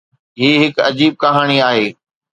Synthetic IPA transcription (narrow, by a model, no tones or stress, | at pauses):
ɦiːɦɪkɐ̰d͡ʑiːb̚kɐɦaːɽ̃iaːɦeː